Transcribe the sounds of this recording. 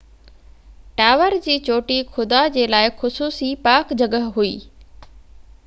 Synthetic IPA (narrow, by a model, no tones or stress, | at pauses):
ʈaːʋəɾd͡ʑiːt͡ɕoːʈixʰʊd̪ad͡ʑeːlaːɪxʊsuːsipaːkd͡ʑɐɡəɦɦuḭː